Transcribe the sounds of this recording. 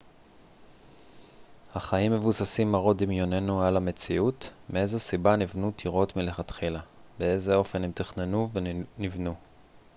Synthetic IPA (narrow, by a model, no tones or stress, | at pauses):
haχaimːe̞vusasimːaʁo̞dimjo̞ne̞nualame̞t͡siutmee̞zosibanivnutʰiʁo̞tmileχat̪χilabee̞zeo̞fe̞nemt̪aχnenuvenivnu